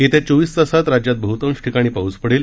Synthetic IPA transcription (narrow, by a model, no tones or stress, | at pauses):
et̪ẽt͡soʋiːst͡səsat̪ɾad͡ʑjat̪̚bəɦut̪ə̃mɕʈʰikaɽ̃iːpaɦut͡spəɽel